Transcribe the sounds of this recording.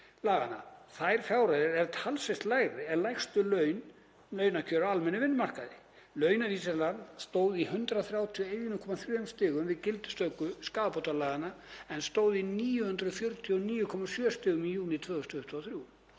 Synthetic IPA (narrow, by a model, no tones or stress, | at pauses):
laːɣana̰θajɾ̥fjawɾaðɪɾɛɾt̪ʰalsejst̪laːjɣɾɪɛnlajxst̪ʏlœɥn | lœːɥnacʰœːɾaalmɛnːʏvɪnːmar̥kaðɪ̰ | lœːɥnaviːsɛslanst̪oːwðihʏnt̪ɾaθɾjaːwt̪ʰjɔejjʏnʏkʰɔmaθɾjœmst̪ɪːɣʏmvɪðcɪlt̪ʏ̥st̪œːkʏskaːapowt̪alaːɣanaɛnst̪oːwðiniːjʏhʏnt̪ɾʏðfjɔɾt̪ʰjɔniːjʏkʰɔmasjœst̪ɪːɣʏmijuːnɪt̪ʰvœːɣʏst̪ʏht̪ʰaθɾju